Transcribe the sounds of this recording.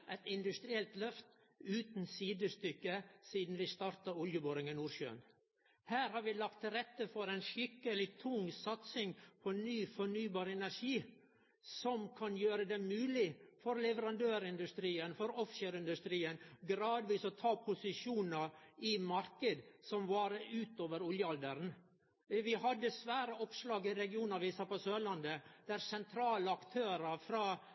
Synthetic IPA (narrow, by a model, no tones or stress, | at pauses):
ʔɛt̪ɪnd̪ʉst̪ɾɪɛlt̪lœft̪ | ʉːt̪n̩siːd̪əst̪ʏkːəsiːd̪n̩ʋɪst̪ɑːɾt̪ɑʊljəboːɾɪŋənuːɾʃø̰ːə̰n | hæːɾhɑːɾʋɪlɑkt̪ɾɛt̪ːəfɔɾɛɪnʂɪkːəlɪt̪ʰʊŋsɑt̪sɪŋpʰɔnyːfɔɳyːbɑːɾɛnæɾʂiː | sɔmkʰɑnjøːɾəd̪ɛmʉːlɪfɔɾlɛʋəɾɑnd̪øːɾɪnd̪ʉst̪ɾiːənfɔɾɔfʃøːɾɪnd̪ʉst̪ɾiːənɡɾɑːd̪ʋiːsɔt̪ʰɑːpʰʊsɪʂuːnəɾɪmɑɾkəd̪sɔmʋɑɾʉːt̪oːʋəɾɔljəɑld̪əɾn | ʋɪhɑd̪ːəsʋæːɾəɔpslɑːɡɪɾɛɡɪuːnɑɾʋɪsɑːpɔsøːlɑnd̪əd̪̥æɾsɛnt̪ʰɾɑːləɑkt̪ʰøːɾəɾfɾɑː